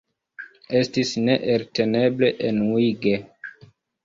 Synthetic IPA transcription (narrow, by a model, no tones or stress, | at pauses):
e̞stisneʔeɾte̞ne̞ble̞ʔenwiɡe